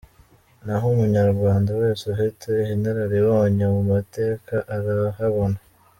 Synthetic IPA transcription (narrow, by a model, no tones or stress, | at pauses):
naɦumuɲaɾɡwaːndawe̞ːseuɦitehinaɾaɾewoːɲemumate̞ːkaʔaɾahaβo̞na